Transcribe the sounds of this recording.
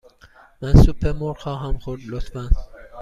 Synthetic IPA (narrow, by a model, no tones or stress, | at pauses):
mænsupʰːeɾmoɾxɒːɦæmxoɾd̪lot̪ʰfæn